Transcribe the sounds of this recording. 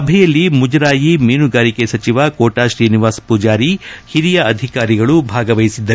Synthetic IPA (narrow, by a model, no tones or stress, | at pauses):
ɐbʱɛjɐlːimud͡ʒɾaːjimeːnuɡaːɾikesɐt͡ʃiʋakoːʈaːʃɾiːniʋaːspuːd͡ʒaːɾihiɾijɐɐd̪ʱikaːɾiɡɐɭubʱaːɡɐʋɐjisid̪ːɐ